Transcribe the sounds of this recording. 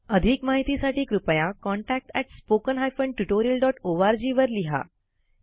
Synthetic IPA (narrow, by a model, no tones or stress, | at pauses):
əd̪ʱiːkmaɦit̪isaʈiːkɾupəjakɔɳʈæk̚ʈɛʈspokənɦajfəɳɖʈuʈoɾiəlɖɔʈoʋaɾd͡ʑiːʋəɾliɦa̰